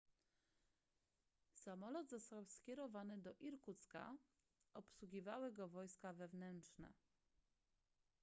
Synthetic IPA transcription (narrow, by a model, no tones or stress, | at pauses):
samɔlɔd̪zɔst̪awskʲɛɾɔvanɘd̪ɔʔiɾkut̪ska̰ | ʔɔpswuɡʲivawɘɡɔvɔjskavɛvnɛntʂnɛ̰